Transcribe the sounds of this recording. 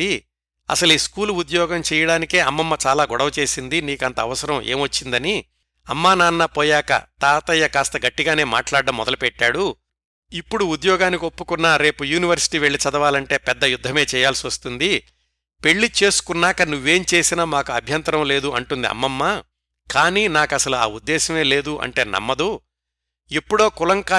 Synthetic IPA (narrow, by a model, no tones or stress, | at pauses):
i | ɐ̰sɐliːskuːluud̪jɔːɡɐmt͡ʃɛːjɐɽaːnike̞ːɐmːɐmːɐt͡ʃaːlaːɡɔɽɐʋɐt͡ʃe̞ːsind̪iniːkɐnt̪ɐːʋɐsɐɾɐmʔḛːmʋɐt͡ʃːind̪ɐni | ɐ̰mːaːnaːnːapɔːjaːkɐ̰t̪aːt̪ɐjːɐkaːst̪ɐɡɐʈːiɡaːne̞ːma̰ːʈlaːɖːɐmːɔd̪ɐlupɛʈːaːɽu | ipːuɽuud̪jɔːɡaːnikio̞pːukunːaːɾe̞ːpujuːniʋɐɾsi̥ʈiːʋe̞ɭːit͡ʃɐd̪ɐʋaːlɐɳʈe̞ːpɛd̪ːɐjud̪ʱːɐme̞ːt͡ʃɛːjaːlsiʋɐst̪und̪i | pe̞ɭːit͡ʃe̞ːsu̥kunːaːkɐnuʋːe̞ːmt͡ʃe̞ːsinaːmaːkuɐbʱjɐnt̪ɐɾɐmle̞ːd̪uʔɐɳʈund̪iɐ̰mːɐmːaː | kaːniːnaːkɐsɐlua̰ːud̪ːɛːʃɐme̞ːle̞ːd̪uʔɐ̰ɳʈe̞ːnɐ̰mːɐd̪u | ipːuɽo̞ːkulɐŋkaː